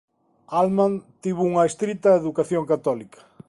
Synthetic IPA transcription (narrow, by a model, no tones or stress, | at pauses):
almãnt̪iβuŋɐest̪ɾit̪ɐeðukaθjoŋkat̪ɔlikɐ̥